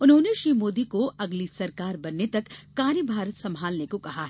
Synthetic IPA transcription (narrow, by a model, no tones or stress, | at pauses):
ʊnɦõːneʃɾiːmoːd̪ikoɐɡlisɐɾkaːɾbɐnːet̪ɐkːaːnibʱaːɾət̪sɐ̃mʱaːlnekokɐɦaɦɛ